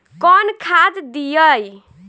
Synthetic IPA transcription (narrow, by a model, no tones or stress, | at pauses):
kɔnkʰad͡zd̪ijʌj